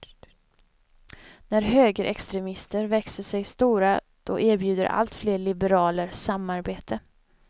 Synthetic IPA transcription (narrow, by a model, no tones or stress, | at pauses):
næɾɦøːɡəɾʔɛkst̪ɾɛmɪst̪əɾvɛksəʂɛjst̪uːɾa | d̪̥ɔ̰ʔeːɾbjʉ̟ːd̪əɾʔa̰lt̪fleːɭɪbəɾɑːləɾsamːaɾbeːt̪ʰə